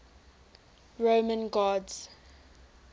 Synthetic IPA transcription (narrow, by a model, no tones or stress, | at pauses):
ɹomə̃nɡɔdz̥